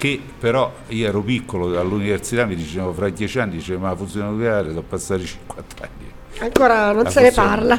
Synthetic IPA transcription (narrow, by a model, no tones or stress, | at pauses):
k̟e | pːeɾɔ | iːoɛːɾopikːoloalːuniversit̪amːid̪it͡ʃɛːvofɾad̪jɛːt͡ʃianːid̪it͡ʃɛmafunt̪sjonat̪okjaːɾesɔpːasːaːɾit͡ʃi̥ŋkwant̪a̰nːi | aŋkoːɾanonseneparla